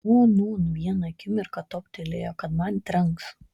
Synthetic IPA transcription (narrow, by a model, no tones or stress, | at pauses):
unuːnʊʋʲiɛnɐkʲɪmʲɪɾkɐt̪oːpʲt̪ʲelʲeːjoːkɐt̪mɐnt̪ʲɾɐŋks